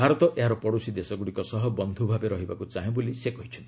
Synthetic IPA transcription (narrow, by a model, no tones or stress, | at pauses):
bʱaɾɔt̪ɔʔeɦaɾɔpɔɽosid̪esɔɡuɽikɔsɔɦɔbɔnd̪ʱubʱabeɾɔɦibakut͡ʃaɦẽbolisekɔɦit͡ʃʰɔnt̪i